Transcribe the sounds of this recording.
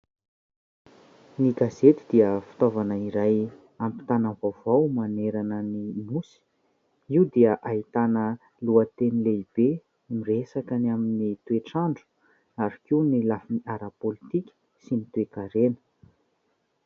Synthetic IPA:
niɡazet̪id̪iəfi̥t̪ovanəiɾaj | ampi̥t̪anavavawmaneɾanənimusi̥ | iwd̪iəʔait̪anə | luət̪enileib̥e | miresakanaminit̪weʈ͡ʂaɳɖ͡ʐu̥ | aɾikiunilafiniaɾapolit̪ikʲə̥ | sinit̪wekaɾenə̥

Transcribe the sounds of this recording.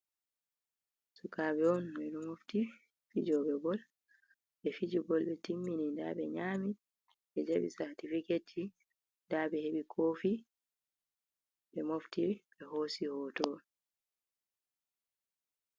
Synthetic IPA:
sukabɛɔnmɔnumofti | fḭd͡ʒɔbɛɡɔl | ɓɛfid͡ʒibɔlɓɛtimːininda̰ɓɛ̰ɲaːmi | ɓɛd͡ʒaɓḭsaɾtifiketʰi | ndaɓɛheɓikʰoːfi | ɓɛmoftiɓɛhoːsihɔːtɔ

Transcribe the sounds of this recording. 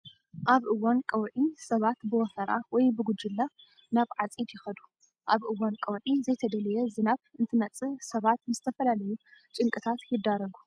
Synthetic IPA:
ʔaβʔɨwːankʼɐwʕisɐβat̪bɨwɔsɐɾa̰wɔjbɨɡʊd͡ʒɪlːa | naβʕat͡sʼid̪jɪxɐd̪u | ʔaβʔɨwːankʼɐwʕizɐjt̪ʰɐd̪ɐlɐjɛzɨnaβɨnt̪ʰɨnɐt͡sʼɨsɐβat̪nɨzɨt̪ʰɐfɐlalɐjut͡ʃʼɨŋkʼɨt̪ʰat̪jɪd̪aɾɐɡu

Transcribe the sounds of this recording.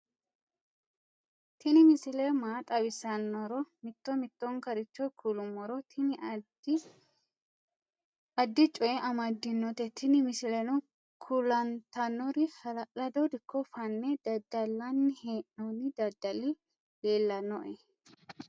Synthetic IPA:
t̪ɪnɪmɪsɪlemaːt̪ʼɐbɪsɐnːɔɾɔmɪt̪ːɔmɪt̪ːɔŋkɐɾɪt͡ʃːɔkʰulʊmːɔɾɔt̪ʰɪn | ɐd̪ːɪt͡ʃʼɔʔɛʔɐmɐd̪ːɪnːɔt̪ɛt̪ʰɪnɪmɪsɪlɛnʊ | kʰʊlɐnt̪ɐnːɔɾɪhɐlɐʔɐd̪od̪ɪkːɔfɐnːɛd̪ɐd̪ɐlːɐnːɪheːʔnɔnɪd̪ɐd̪ɐlɪ | leːlːɐnɔʔɛ

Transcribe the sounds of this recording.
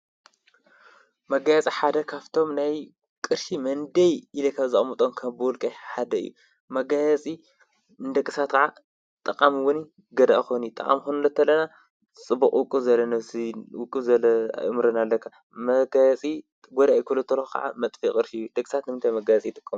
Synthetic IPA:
mɐɡajɛt͡sʼiħad̪ɐkʰaβt̪ʰo̞mnaj | kʼɨɾʃimɐnd̪ɐjɨlɐkʰaβzɐχʼmɨt̪ʼonkʰɐbɨwɔlkʼɐjħad̪ɐɨ̰jːṵ | mɐɡajɐt͡sʼi | ɨnd̪ɐkʼːɨ̥sat̪kʰɐʕa | t̪ʼɐqʼamɨwʊni | ɡɐd̪a̰ʔxonit̪ʼɐ̰χʼa̰mxunɨlɐt̪ʰːɐlːɐna | t͡sʼɨbuqʼwʊkʼːuzɐlɐnɐsiwʊkʼɨzɐlɐa̰mɾɐnalːɐkʰːa | mɐɡajɐt͡sʼi | ɡod̪aʔjikʰulɐt̪ʰːɐlkʰɐ̰ʕa̰mɐt̪ʼfikʼɨɾʃiɨjːud̪ɐkʼːɨsat̪nɨmɨnt̪ʰajmɐɡajɐt͡sʼijɪt̪ʼɨ̥kʼːɐm

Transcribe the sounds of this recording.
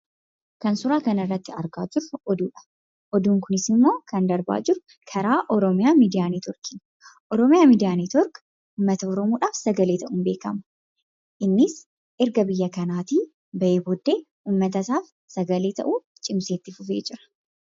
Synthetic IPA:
kɐnsʊɾaːkɐnɐɪrːɐt̪ːɪɐɾɡa̰ːd͡ʒɪɾʊɔd̪uːᶑɐ̥ | ʔɔd̪uːŋkʊnɪsɪmːo̞ːkɐnd̪ɐɾba̰ːd͡ʒɪɾʊ | kʰɐɾaːʔɔɾɔmɪjaːmiːd̪ɪjaːniːt̪ɔɾkɪn | ʔɔɾɔmɪjaːmiːd̪ɪjaːniːt̪ɔɾk | uːmːɐt̪ɐɔɾɔmuːᶑaːfsɐɡɐle̞ːt̪ʰɐʔuːnbe̞ːkɐmɐ̥ | ʔɪnːɪs | ʔɪɾɡɐbɪjːɐkɐnaːt̪iː | bɐʔeːbɔd̪ːe̞ː | uːmːɐt̪ɐsaːf | sɐɡɐleːt̪ɐ̰ʔuː | t͡ʃʼɪmseːt̪ːɪfʊfeːd͡ʒɪɾɐ̥

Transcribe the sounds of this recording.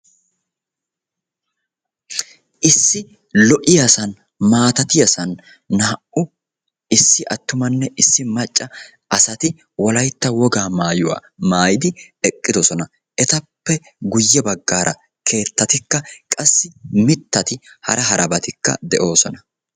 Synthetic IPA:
ʔɪsːɪ | lɔʔɪjasɐn | maːt̪ɐt̪ɪjɐsɐnː | ɐɐʔʔʊ | ɪsːɪʔɐt̪ːʊmɐnːɛʔɪsːɪmɐt͡ʃʼːɐ | ɐsɐt̪ɪ | wɔlɐjt̪ːɐwɔɡaːmaːjʊwa̰ːmaːjɪd̪ɪ | ɛkʼːɪd̪ɔsɔnɐ | ʔɛt̪ɐpːɛ | ɡʊjːɛbɐɡːaːɾʔɐ̰ | kʰe̞ːt̪ːɐt̪ɪkːɐkʼɐsːɪmɪt̪ːɐt̪ɪ | hɐ̰ɾɐɦɐɾʔɐbɐt̪ɪkːɐ̰d̪ɛʔo̞ːsɔnɐ

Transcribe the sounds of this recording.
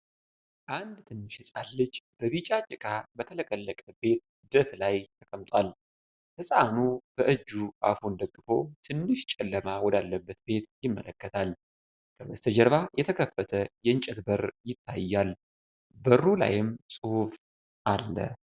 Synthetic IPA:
ʔand̪t̪ʰɨnːɨʃhɨsʼalːɨt͡ʃːb̥əβit͡ʃʼat͡ʃʼɪkʼabət̪ʰələkʼəlːəkʼəbe̞t̪̚ | d̪ət̪lajt̪ʰəkʼəmt̪ʼwal | hɨsʼanub̥əʔɨd͡ʒːuʔa̰fund̪əɡːɨfo̞t̪ʰɨnːɨʃt͡ʃʼɛlːəmawɔd̪alːəbːət̪be̞t̪jɪmːələkːət̪ʰal | kʰəbəst̪ʰəd͡ʒəɾβajɛt̪ʰəkʰəfːət̪ʰəjɛɨɲt͡ʃʼɛt̪bəɾjɪt̪ʰːa̰jːal | bərːula̰jɪmsʼɨhuf | ʔalːə̰

